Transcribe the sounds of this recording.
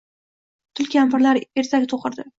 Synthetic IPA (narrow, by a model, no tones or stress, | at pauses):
t̪ʰʊlkʲampɪɾlaɾe̞ɾt̪ʰakʲt̪ʰoqɨɾd̪ɪ